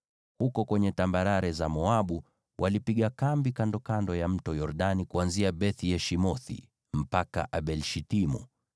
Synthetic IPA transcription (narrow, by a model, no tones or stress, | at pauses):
hukɔkwɛɲɛtambaɾaɾɛzamɔaɓu | wʔalipiɠakambikandɔkandɔjam̩tɔjɔɾɗanikuanziaɓɛθijɛʃimɔθḭ | m̩paka̰ʔaɓɛlʃitimṵ